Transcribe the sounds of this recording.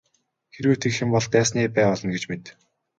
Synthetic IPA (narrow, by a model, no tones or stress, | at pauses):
xeɾwɘːt̪ʰekxɪ̆mpɔɮt̪æːs̬niːpæːɔɮɞ̆nɡet͡ɕmet̪